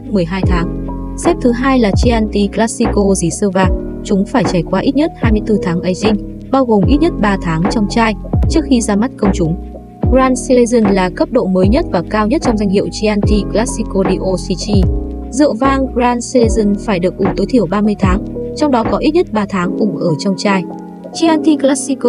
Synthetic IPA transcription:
mɨ˨˩əjɦaː˧jt̪ʰaː˨˦ŋsɛ˦˥p̚t̪ʰɨ˨˦ɦaː˧jlaː˨˩t͡ɕi˧ʔa˧nt̪i˧klaː˦˥si˧ko˧zi˨˩sɨ˧vaː˨˩ŋ̚t͡ɕʊ˨˦ŋ͡mfaː˧˩jt͡ɕaː˧˩jkwaː˧ʔi˦˥t̚ɲə˦˥t̚haː˧jmɨ˧əjt̪ɨ˧t̪ʰaː˨˦ŋʔə˨˦jzï˧ŋ̟ | ɓaː˧wɣo˨˩mʔi˦˥t̚ɲə˦˥t̚ɓaː˧t̪ʰaː˨˦ŋt͡ɕɔ˧wŋ͡mt͡ɕaː˧jt͡ɕɨ˦˥ək̚xi˧zaː˧ma˦˥t̚kə˧wŋ͡mt͡ɕʊ˨˦ŋ͡m | zaː˧nsi˧le˧zɨ˧nlaː˨˩kə˦˥p̚ɗo̰˧˨məː˨˦jɲə˦˥t̚vaː˨˩kaː˧wɲə˦˥t̚t͡ɕɔ˧wŋ͡mza˧jŋ̟hḭ˧˨wt͡ɕi˧ʔaː˧nt̪i˧klaː˦˥si˧ko˧ɗi˧ʔo˧si˧t͡ɕi˧zɨ̰˧˨əvaː˧ŋzaː˧nse˧zɨ˧˩nfaː˧˩jɗɨ˨˩ək̚ʔʊ˨˧˩ŋ͡mt̪o˨˦t̪ʰi˧˩əwɓaː˧mɨ˧əjt̪ʰaː˨˦ŋt͡ɕɔ˧wŋ͡mɗɔ˨˦kɔ˨˦ʔi˦˥t̚ɲə˦˥t̚ɓaː˧t̪ʰaː˨˦ŋʔʊ˧˩ŋ͡mʔəː˧˩t͡ɕɔ˧wŋ͡mt͡ɕaː˧j | t͡ɕi˧ʔaː˧nt̪i˧klaː˦˥si˧ko˧

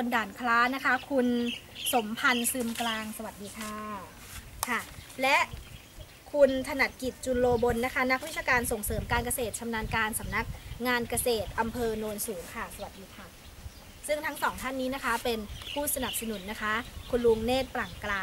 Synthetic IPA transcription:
o˧ndaː˨˩nkʰlaː˦˥na˦˥kʰa˦˥kʰu˧nso˩˦mpʰa˧nsɯ˧mklaː˧ŋsa˧wa˨˩t̪̚diː˧kʰaː˥˩ | kʰa˥˩lɛ˦˥ʔ | kʰu˧nt̪ʰa˧na˨˩t̪̚ki˨˩t̪̚t͡ɕu˧nloː˧bo˧nːa˦˥kʰa˦˥na˦˥k̚wi˦˥t̪̚t͡ɕaː˧kaː˧nso˨˩ŋsɤː˩˦mkaː˧nk̬a˧seː˨˩t̪̚t͡ɕʰa˧mnaː˧nkaː˧nsa˩˦mna˦˥k̚ŋaː˧nka˧seː˨˩t̪̚ʔa˧mpʰɤː˧noː˧nsuː˩˦ŋkʰa˥˩sa˧wa˨˩t̪̚diː˧kʰa˥˩ | sɯ˥˩ŋt̪ʰa˦˥ŋsɔː˩˦ŋt̪ʰa˥˩nːiː˦˥na˦˥kʰa˦˥pe˧npʰuː˥˩sa˧na˨˩p̚sa˧nu˩˦nːa˦˥kʰa˦˥kʰu˧nlu˧ŋneː˥˩t̪̚pla˨˩ŋklaː˧

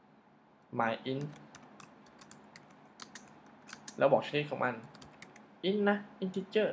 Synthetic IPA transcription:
maː˨˩˦jʔi˧˥n | lɛ̰˧˦bɔː˨˩k̚seː˧˥xʰɔ˧˩wŋ͡mʔa˧˩n | ʔi˧˥nːa˧ʔi˧nt̪ʰi˧˥t͡ɕəː˧˩

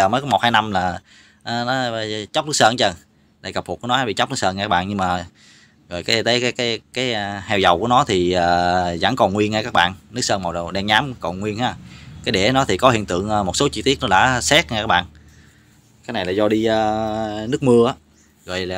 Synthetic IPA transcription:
əː˨˩mə˨˦kɔ˨˦mo˨˩haː˧jna˧mlaː˨˩ | ʔəː˨˩nɔ˨˦˨t͡ɕa˦˥k͡p̚nɨ˦˥səː˧nt͡ɕə˧˩ | ɗ̪aː˨˩kə˨˩p̪̚ʰku˨˦nɔ˦haː˨˦ɓḭ˧˩t͡ɕk͡p̚ɨ˦˥ksə˧nŋa˧˨kaː˦˥ɓa̰ː˧˨nɲɨ˧ŋmaː˨˩ | ɣɔ̰˧˨jkaː˨˦t̪ə˨˦jkaː˨˦jkaː˨˦jkaː˨˦jhɛ˧wzə˨˩wku˧˩ənɔ˨˦t̪ʰi˨˩əː˨˩za̰˧˩˦ŋkɔ˨˩nŋwi˧ənŋaː˧jkaː˦˥k̚ɓa̰ː˧˨nnɨ˦˥ək̚səː˧nmɔ˨˩wɗə˨˩wɗɛ˧ŋɲaː˨˦mkɔ˨˩nŋwi˧ənhaː˨˦kaː˨˦jɗe˧˩˨nɔ˨˦t̪ʰi˨˩kɔ˨˦hḭ˧˨ənt̪ɨ̰˧˨əŋʔə˨˧mo˨˩t̚so˨˦t͡ɕi˧t̪i˦˥ət̚nɔ˨˦ɗa̰ː˧˥sɛ˦˥t̚ŋaː˧jkaː˦˥ɓa̰ː˧˨n | kaː˨˦jna˨˩jlaː˨˩zɔ˧ɗi˧əː˧nɨ˦˥ək̚mɨ˧əʔaː˨˦ | ɣɔ̰˧˨jlaː˨˩

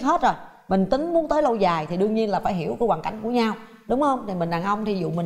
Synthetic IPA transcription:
ɦe˦˥t̚zo˨˩j | mï˨˩ŋ̟t̪ï˨˦ŋ̟mu˨˦ənt̪əː˨˦jlo˧wzaː˨˩jt̪ʰi˨˩ɗɨ˧əŋɲi˧ənlaː˨˩faː˧˩jɦi˧˩əwkːwaː˨˩ka̰˧˩jŋku˧˩əɲa˧w | ɗʊ˨˦ŋ͡mhə˧wŋ͡mt̪ʰi˨˩mï˨˩ŋ̟ɗaː˨˩nʔə˧wŋ͡mt̪ʰi˧˩zṵ˧˨mï˨˩

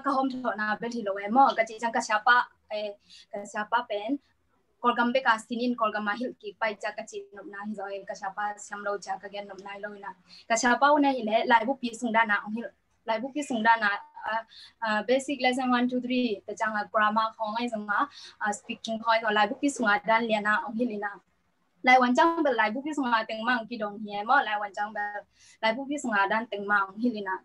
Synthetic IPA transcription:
kaɦɔmtʰɔ˨ʔnabɛlhilɔ˨we˨mɔ˦ɡat͡ʃit͡ʃaŋkasapa | ekasiapapen | kɔlɡambe˦kasininkɔlɡamaɦi˦lkipajt͡ʃakat͡ʃinu˨p̚nahizɔjkasapasiamɾɔwt͡ʃakaɡenːup̚nahilɔwnakasapa˦unahi˨lelajbu˦pisuŋdanaʔɔŋhil | lajbu˦pisuŋdana˧˨ | be˧si˧k̚lɛ˧s̬ɛ˦nwa˧ntʰu˧t̪ʰɾi˦˧t̪a˨t͡ʃa˧ŋa˨ɡɾa˧ma˧˦kʰɔ˧˦ŋa˧jzɯ˧ŋa˨a˨spi˧ki˧ŋʰɔ˧jkʰɔ˧la˨˧jbu˦pi˦su˨ŋa˨da˦nli˧ə˨na˧ʔɔ˨˧˨ŋhi˦li˧˨na˧ | la˧˨jwa˧nt͡ʃa˦ŋbɛ˨lla˨jbu˦pi˦su˧ŋa˧t̪e˧ŋma˦˨˧ki˧dɔ˨ŋhi˧˨a˨˧mɔ˦la˨jwa˨nt͡ʃa˧ŋbɛ˧l | la˨jbu˦pi˦su˨ŋa˨da˦˨nt̪e˨ŋma˧ɔ˨˧˨ŋɦi˦li˧˨na˧˨

